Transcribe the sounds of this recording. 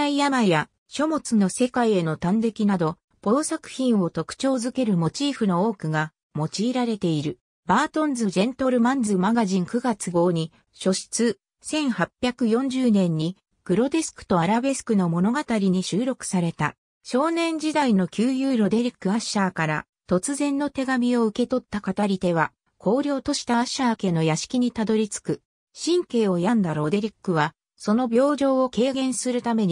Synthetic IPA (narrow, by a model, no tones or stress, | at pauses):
aijamaja | ɕo̞mo̞t͡sɨno̞se̞kaie̞no̞t̪ãnd̪e̞kʲinad̪o̞ | b̥o̞ːsakɯ̟̥çĩɰ̃o̞t̪o̞kɯ̥t͡ɕo̞ːzɨke̞ɾɯ̟mo̞t͡ɕiːɸɯ̟no̞o̞ːkɯ̟ɡa | mo̞t͡ɕiːɾaɾe̞t̪e̞iɾɯ̟ | baːt̪õ̞nd͡zɨʑẽ̞nt̪o̞ɾɯ̟mãnd͡zɨmaɡaʑĩŋkɯ̟ɡat͡sɨɡo̞ːɲ̟i | ɕo̞ɕi̥t͡sɨ | sẽ̞ɰ̃hapʲːjakɯ̟jõ̞ɲ̟d͡ʑɨːnẽ̞ɲ̟ːi | ɡ̥ɯ̟ɾo̞d̪e̞sɨ̥kɯ̟̥t̪o̞aɾabe̞sɨ̥kɯ̟no̞mo̞no̞ɡat̪aɾʲiɲ̟iɕɨːɾo̞kɯ̟̥saɾe̞t̪a̰ | ɕo̞ːnẽ̞ɲ̟d͡ʑid̪aino̞kʲɨːjɯːɾo̞d̪e̞ɾʲikːɯ̟aɕːaːkaɾa̰ | t̪o̞t͡sɨzẽ̞nːo̞t̪e̞ɡamʲio̞ɯ̟ke̞t̪o̞t̪ːakat̪aɾʲit̪e̞βa | kʰo̞ːɾʲo̞ːt̪o̞ɕi̥t̪aɕːaːke̞ːno̞jaɕi̥kʲiɲ̟it̪ad̪o̞ɾʲit͡sɨ̥kɯ̟ | ɕĩŋke̞ːo̞jand̪aɾo̞d̪e̞ɾʲikːɯ̟βa | so̞no̞bʲo̞ːʑo̞ːoke̞ːɡẽ̞ɰ̃sɨɾɯ̟t̪ame̞ɲ̟i